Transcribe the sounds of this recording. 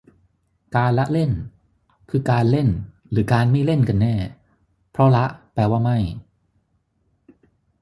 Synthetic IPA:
kaː˧nla˦˥ʔle˥˩n | kʰɯː˧kaː˧nle˥˩n | ɾɯː˩˦kaː˧nma˥˩jle˥˩nka˧nːɛː˥˩ | pʰɾɔ˦˥la˦˥ʔplɛː˧waː˥˩ma˥˩j

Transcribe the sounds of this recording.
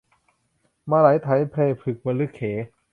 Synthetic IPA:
maː˧ɾa˩˦jt̪ʰa˩˦jpʰleː˧˩pʰɯ˨˩k̚ma˧lɯ˦˥˩kʰːeː˩˦

